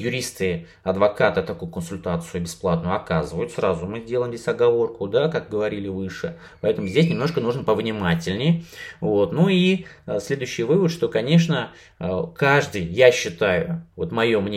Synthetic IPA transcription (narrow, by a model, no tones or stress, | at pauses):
jʊɾʲist̪ɨ | ɐd̪vɐkat̪ɨt̪ɐkujʊkənsʊlʲt̪at̪sɨjʊbʲɪsplˠat̪nʊjʊɐkazɨvəjʊt̪srazʊmɨzʲdʲeləjmzʲesʲɐɡɐvo̞rkʊd̪akak̚ɡəvɐɾʲilʲɪvɨʂɨ | pɐɛt̪əmʊzʲdʲesʲnʲɪmnoʂkənuʐnpəvnʲɪmatʲɪlʲnʲɪjvo̞t̪nui | sʲlʲe̞d̪ʊjɕːɪjvɨvət̪ʂt̪o̞kɐnʲe̞ʂnə | kaʐd̪ɨjjaɕːɪt̪ajʊ̰vo̞t̪mɐjo̞mnʲe